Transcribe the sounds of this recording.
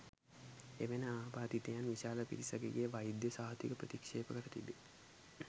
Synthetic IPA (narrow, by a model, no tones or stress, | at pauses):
eʋenəaːbaːd̪it̪ejanʋiʃaːləpḭɾisəɡeɡejʋajd̪jəsaːɦət̪ikəpɾət̪ikʂeːpəkəɾət̪ibe